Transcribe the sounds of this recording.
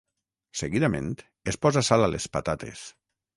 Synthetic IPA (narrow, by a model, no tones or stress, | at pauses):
seɣiðamḛ̃nt̪ | espɔzasalalespa̰t̪at̪ḛs